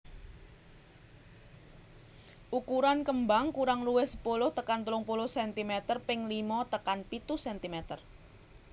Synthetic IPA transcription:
ʔukuɾankəmbaŋkuɾaŋluwɪhsə̥pulʊht̪əkant̪əlʊŋpulʊhsɛnt̪imɛt̪ərpɪŋlimɔt̪əkanpit̪usɛnt̪imɛt̪ər

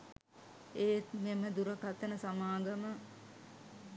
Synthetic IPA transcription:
eːmeməd̪uɾəkat̪ənəsamaːɡəmə

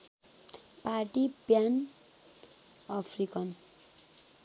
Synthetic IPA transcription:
paʈipjan | ʌpʰrikʌn

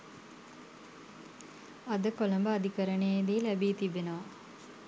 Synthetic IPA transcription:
ad̪əkoləmbəad̪ikəɾəɳejd̪iːlæbiːt̪ibenəʋa

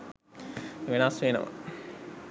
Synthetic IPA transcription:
ʋenasʋeːnə̰ʋɐ̰

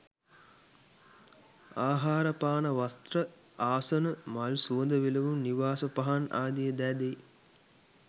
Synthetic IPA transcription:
aːɦaːɾəpaːnɐʋast̪rə | aːsənəmalsuʋənd̪əʋelɐʋumniʋaːsəpɐɦana̰ːd̪ijəd̪ɛːd̪ej

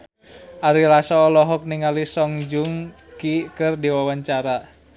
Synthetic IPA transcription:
ʔaɾilasɔːlɔɦɔk̚niŋalisɔŋd͡ʒuŋ | kikɨrdiwawaɲt͡ʃaɾa

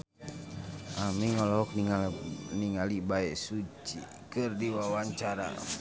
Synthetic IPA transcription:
ʔamiŋɔlɔɔk̚niŋniŋalibaɛsut͡ʃi | kɨrdiwawaɲt͡ʃaɾa̰

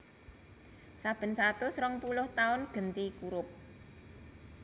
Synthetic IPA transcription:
sab̥ə̤nsat̪ʊsɾɔŋpulʊht̪aʊnɡ̥ə̤nt̪ikuɾʊp̚

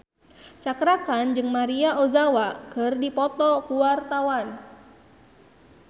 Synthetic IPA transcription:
t͡ʃakɾakand͡ʒɨŋmaɾiaʔozawakɨrdipɔt̪ɔkuwart̪awan

